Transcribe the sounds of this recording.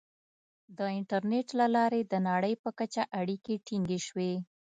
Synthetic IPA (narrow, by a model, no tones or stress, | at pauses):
d̪əɪɳʈaɾneʈlalɑɾed̪ənɑɽəjpəkat͡ʃaʔaɽikeʈiŋɡeʃwe